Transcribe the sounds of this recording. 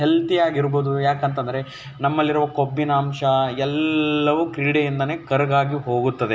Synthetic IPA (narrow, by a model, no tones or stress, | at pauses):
ɦelt̪ijaːɡiɾboːd̪ujaːkɐnt̪̬ɐnd̪ɐɾe | nɐmːɐlːiɾuʋɐkobːinaːmʂɐɛlːɐʋukɾiːɽejind̪ɐne̞ːkɐɾɐɡaːɡiɦo̞ːɡut̪ːɐd̪e